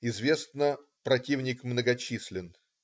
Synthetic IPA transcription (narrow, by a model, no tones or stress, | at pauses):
ɪzvʲe̞snə | pɾɐtʲivnʲɪkmnəɡɐt͡ɕisʲlʲɪn